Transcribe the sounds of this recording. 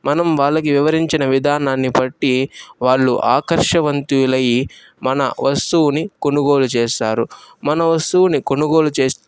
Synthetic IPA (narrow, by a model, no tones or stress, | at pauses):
mɐnɐmʋaːɭːɐk̬iʋiʋɐɾiɲt͡ʃinɐʋid̪ʱaːnaːnːipɐʈːiʋaːɭːuʔaːkɐɾʂɐʋɐnt̪ilɐji | mɐnɐ̰ʋɐst̪uwuniko̞nuɡo̞ːlut͡ʃɛːsaːɾumɐnɐʋɐst̪uwuniko̞nuɡo̞ːlut͡ʃeː